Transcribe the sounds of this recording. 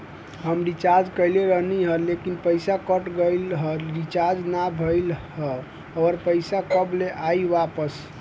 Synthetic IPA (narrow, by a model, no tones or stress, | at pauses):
ɦəmɾit͡ʃaɾd͡ʒkəjleɾəɦniɦəlekinpəjsakəʈɡəjlɦəlɾit͡ʃaɾd͡ʒnabʱəjlɦə | əɾpəɪsakəbleʔajʋapəs